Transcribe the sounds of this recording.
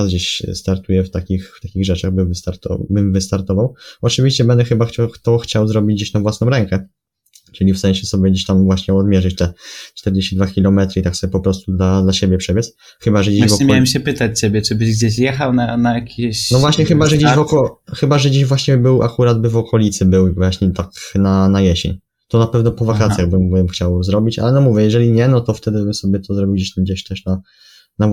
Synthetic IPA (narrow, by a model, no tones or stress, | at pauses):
azɡd͡ʑeɕst̪aɾt̪ujɛft̪akʲixft̪akʲiɣʐɛt͡ʂaɣbɘvɨst̪aɾt̪ɔ̰bɘmvɘst̪aɾt̪ɔvawɔt͡ʂɘvʲiɕt͡ɕɛbɛnd̪ɛxɘbaxt͡ɕɔxt̪ɔxt͡ɕawzɾɔbʲid͡ʑd͡ʑeɕt̪ãvwasnɔ̃wɾɛŋkɛ | t͡ʂɘlʲifst̪aɲɛɕɛsɔbʲjɛɡd͡ʑeɕt̪amvwaɕɲɛɔd̪mʲjɛʐɘt͡ɕt̪ɛt͡ʂt̪ɛɾd͡ʑeɕt͡ɕid̪vakʲilɔmɛt̪ɾɘit̪aksɔbʲjɛpɔpɾɔst̪ud̪lad̪laɕebʲjɛpʂɛbʲɛs | xɘbaʐɛd͡ʑevɔmʲjawɛmɕɛpɘt̪at͡ɕsebʲɛt͡ʂɘbɘʑɡd͡ʑeɕjɛxawnanajakʲʰeɕnɔvvwaɕɲɛxɘbaʐɛɡd͡ʑevɔkɔxɘbaʐɛɡd͡ʑeʑvwaɕɲɛbɘwa̰kuɾad̪̚bɘvɔkʰɔlʲit̪sɘbɘwvwaɕɲɛt̪aknanajɛɕɛ̰ɲ | t̪ɔnapɛvnɔpɔvakat̪sʲjaɣbɘmbɘmxt͡ɕawzɾɔbʲit͡ɕa̰lɛnɔmuvʲjɛjɛʐɛlʲiɲɛnɔt̪ɔft̪ɛd̪ɘbɘmsɔbʲjɛt̪ʰɔzɾɔbʲiwd͡ʑeɕt̪amɡd͡ʑeɕt̪ɛʂna | na